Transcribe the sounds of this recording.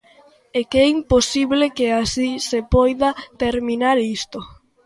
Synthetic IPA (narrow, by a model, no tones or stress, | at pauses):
ekɛimposiβlekeasisepɔjðat̪eɾminaɾist̪o